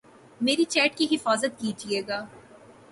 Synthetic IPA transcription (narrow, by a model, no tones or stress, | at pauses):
meːɾit͡ʃɛːʈkiɦɪfaːzət̪̚kiːd͡ʒieːɡaː